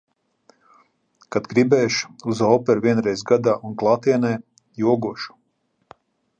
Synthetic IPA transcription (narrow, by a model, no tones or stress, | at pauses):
kad̪ɡɾibɛːʃu̥uzɔːpɛɾviɛnɾɛjzɡad̪aːunklˠaːt̪iɛnɛː | juɔɡuɔʃu̥